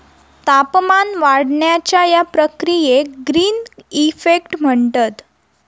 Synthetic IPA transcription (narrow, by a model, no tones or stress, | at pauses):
t̪apmanʋaɽɳjat͡ɕjajapɾəkɾijeɡɾiːnifekʈm̤əɳt̪at̪